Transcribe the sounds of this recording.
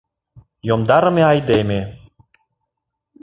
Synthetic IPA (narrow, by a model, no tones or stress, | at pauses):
jomd̪ɑɾɤ̆meɑjd̪emʲe